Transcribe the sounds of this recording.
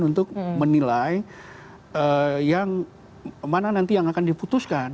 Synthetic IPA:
unt̪ʊk̚mənilaj | əjaŋ | mananant̪ijaŋakandiput̪ʊskan

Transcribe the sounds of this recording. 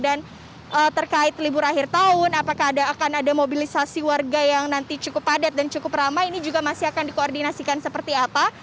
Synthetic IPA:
dan | ʔət̪ərkaɪt̪libʊɾaɦɪrt̪aʊnapakaːdaːkanadamobilisasiwarɡajaŋnant̪it͡ʃukʊpadat̪̚dant͡ʃukʊpramainid͡ʒuɡamasiakandikoːrdinasikansəpərt̪iapa

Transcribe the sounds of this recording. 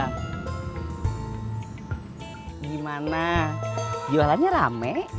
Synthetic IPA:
ɡimana | jualaɲaɾa̰mɛʔ

